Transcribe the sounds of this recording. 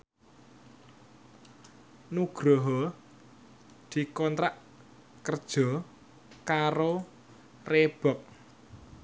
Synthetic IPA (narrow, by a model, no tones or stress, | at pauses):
nuɡ̥ɾɔɦɔ | d̪̥i̤kɔnt̪ɾaʔ | kərd̥ʒ̥ɔ̤ | kaɾo | reb̥ɔk̚